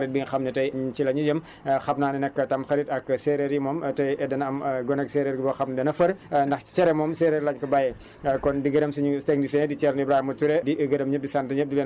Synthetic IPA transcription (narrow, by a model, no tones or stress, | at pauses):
ɐɾit̚biɲxɐmnɐtɐjt͡ʃilɐɲud͡ʒɐm | xɐpnaːninɛkːɐtɐmxɐɾitɐkːsɛɾeɾjimɔːmtɐjɛdɐnɐmɡɔnɛksɛɾɛɾɡibɐxɐpnɐdɐnɐfɐɾndɐxt͡ʃɛɾɛmɔːmsɛɾɛɾlɐɲkɐbajɛ | kɔndiɡɐdɐmsuɲustɛŋdisɛndit͡ʃɛɾnibɾahimɐtuɾɛdiʔəɡɐdɐmɲəp̚disantɐɲəp̚dilɛn